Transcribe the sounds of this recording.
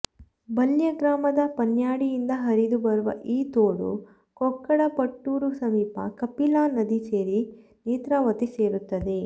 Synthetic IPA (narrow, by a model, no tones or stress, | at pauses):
bɐljɐɡɾaːmɐd̪ɐpɐnjaːɽijind̪ɐɦɐɾid̪ubɐɾuʋɐ̰ʔiːt̪oːɽṵ | kɔkːɐɽɐpɐʈːuːɾusɐmiːpɐ̰kɐpilaːnɐd̪iseːɾi | neːt̪ɾaːʋɐt̪ese̞ːɾut̪ːɐd̪e̞